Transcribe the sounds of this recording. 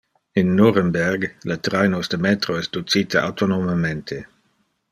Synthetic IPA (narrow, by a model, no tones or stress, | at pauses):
inːoɾembɛrɡlat̪ɾajnosd̪əmɛt̪ɾoɛsd̪ut͡siːt̪aʔa̰wt̪onomament̪ʰe